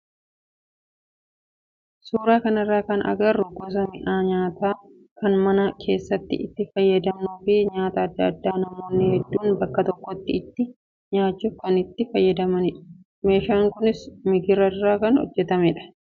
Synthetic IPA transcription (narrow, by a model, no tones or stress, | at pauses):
suːɾaːkɐnɐrːaːkɐnʔɐ̰ɡɐrʊɡɔs̬ɐmɪʔaːɲaːt̪aː | kɐnmɐnɐkʰe̞ːsːɐt̪ːɪ̰ʔɪt̪ːɪfɐjːɐd̪ɐmnuːfɪɲaːt̪ɐːd̪ːɐɐd̪ːaːnɐmoːnːɪhɛd̪ːuːnbɐkːɐt̪ɔkːɔt̪ːɪːt̪ːɪ | ɲaːt͡ʃːufkɐnɪt̪ːɪfɐjːɐd̪ɐmɐnɪᶑɐ̥ | me̞ːʃaːŋkʊnɪsmɪɡɪɾɐrːaːkɐnhɔ̰d͡ʒːɛt̪ɐmɛᶑɐ̥